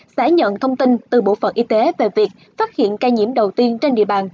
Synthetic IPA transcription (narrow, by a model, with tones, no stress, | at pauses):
saː˧˩˦ɲə̰˧˨nt̪ʰə˧wŋ͡mt̪i˧nt̪ɨ˨˩ɓo̰˧˨fə̰˨˩nʔi˧t̪e˨˦ve˨˩vi˨˩ək̚faː˦˥t̚hḭ˧˨ənkaː˧jɲḭ˧˩əmɗə˨˩wt̪i˧ənt͡ɕe˧nɗḭ˧˨əɓaː˨˩n